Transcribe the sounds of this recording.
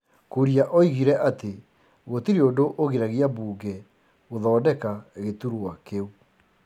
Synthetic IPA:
kuɾiaʔɔiɣiɾɛʔate | ɣotiɾeodoʔoɣeɾaɣeabuːɡɛ | ɣoðɔːdɛkaɣetuɾoakeu

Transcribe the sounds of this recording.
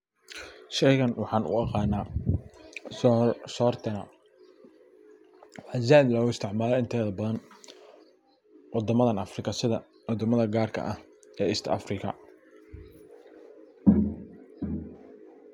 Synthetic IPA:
ʃɛjɣɐnwɑħɑːnʔʊ̰ɑqɑːnːaː | sɔːrt̪ʰɐnɐ̰ | wɑzaːd̪lɔːɣʊɪst̪ʰɪʕmaːlɔɪnt̪ʰɛːðɐbɐðɐn | wɑd̪ɐmɐðɐnɐfrɪkʰɐsɪðɐ | wɔd̪ɐmɐðɐɡaːrkʰɐ̰ʔɐh | ɛːɪst̪ʰɐ̰frɪkʰɐ̰

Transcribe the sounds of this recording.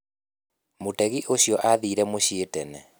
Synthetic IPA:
motɛɣiʔoɕjɔʔaðiːɾɛmoɕietɛnɛ̰

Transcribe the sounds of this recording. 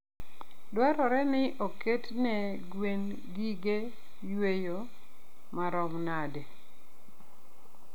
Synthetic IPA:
dwaɾɔɾɛnɪʔoketnɛ | ɡwen | ɡiɡe | jwejo | maɾɔmnade

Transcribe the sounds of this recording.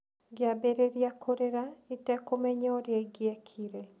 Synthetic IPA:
ɡɪabeɾeɾjakʰoɾeɾaitɛkomɛɲɔɾjɛɡjɛkʰiɾe

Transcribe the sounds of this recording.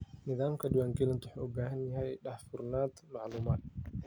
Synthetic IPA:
nɪðaːmkʰɐdʊwaːŋɡɛlɐnt̪wʊħːʔɔɡaːhɐnjɐɦɛjɗɐħfʊrnaːt̪mɑʕluːmaːd̪̚

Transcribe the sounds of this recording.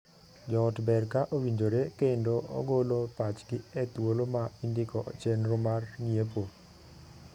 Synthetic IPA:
d͡ʒɔːtbɛrkaʔowiɲd͡ʒoɾekendoʔɔ̰ɡolopat͡ʃɡɪɛt̪wolomaindɪkɔʔt͡ʃɛnɾomarniepo

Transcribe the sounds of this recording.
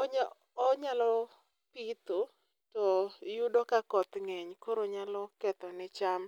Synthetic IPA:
ɔɲː | ɲalɔ | pit̪o | tɔjudɔkakɔt̪ŋɛɲkoɾoɲalɔkɛt̪ɔnɪt͡ʃam

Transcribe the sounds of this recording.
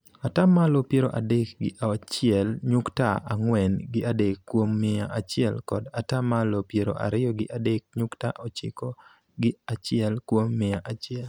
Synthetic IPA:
atamalopjeɾo̰ʔadekɡɪʔat͡ʃɪɛlɲʊktaaŋwɛnɡɪadekːwomːɪaʔat͡ʃɪɛlkɔdatamalopjeɾo̰ʔa̰ɾɪjɔɡɪʔadek̚ɲʊkta̰ʔot͡ʃɪ̰kɔ | ɡɪat͡ʃɪɛlkwomːɪaʔat͡ʃɪɛl

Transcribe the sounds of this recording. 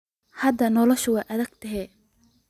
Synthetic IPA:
hɐd̪ɐnɔlɔʃʊwɛjʔɐðɐɡ̥̚t̪ʰɐɦɛː

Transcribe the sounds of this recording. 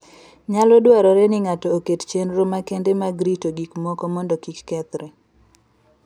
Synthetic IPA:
ɲalɔdwaɾɔɾɛnɪŋatɔːkett͡ʃenɾomakendemaɡɾitoɡikmɔkɔmɔndɔkikːɛt̪ɾɛ

